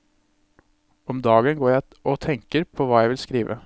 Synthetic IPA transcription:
ɔmd̪ɑːɡənɡoːɾjæɪ | ʔɔt̪ʰɛŋkəɾpʰɔʋɑːjæɪʋɪlskɾiːʋʔə̰

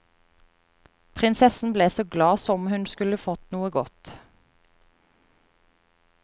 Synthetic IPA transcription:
pʰʁɪnsɛsn̩bleːsoːɡlɑːsɔmhʉnskʉləfɔt̪nuːəɡɔt̪

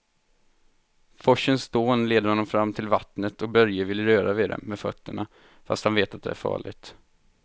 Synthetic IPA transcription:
fɔʂːənsd̪oːnleːd̪əɾhɔnːɔmfɾamːt̪ʰɪlvat̪nət̪ʰɔk̚bœɾjəvɪlɾøːɾavɪd̪ɛ̰mmɛfœ̰t̪ːəɳa | fa̰st̪hanveːt̪at̪̚d̪ɛ̰æ̰ɾfɑ̰ːɭɪ̰ɡt̪

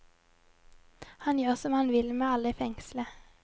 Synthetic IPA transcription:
hɑnjøːʁsɔmhɑnʋɪlmeːɑləiːfɛŋslə

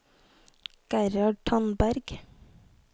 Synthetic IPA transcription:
ɡ̥æɾɑɖ̚ʈʰɑnbæɾɡ̥

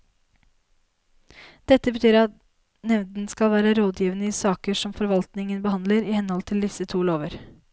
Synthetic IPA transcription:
d̪̥ɛt̪ːəbət̪ʰyːɾɑt̪ | nɛʋnd̪n̩skɑlʋæːɾəɾoːd̪jiːʋənəiːsɑːkəʂɔmfɔɾʋɑlt̪nɪŋənbəhɑnd̪ləɾɪhɛnhɔlt̪ʰɪld̪ɪsət̪ʰuːloːʋəɾ

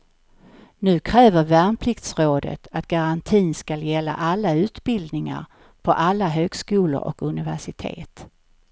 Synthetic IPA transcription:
nʉ̟ːkʰɾɛːvəɾvæːɳpʰlɪkt̪sɾoːd̪ə̰t̪ʰat̪ɡ̥aɾant̪ʰiːnskaljɛlːa̰ʔalːaʉ̟ːt̪bɪld̪nɪŋa̰ɾ | pʰɔʔalːaɦøːɡskʉːlʊ̰ɾʔɔ̰kɵnɪvæʂɪt̪ʰḛːt̪

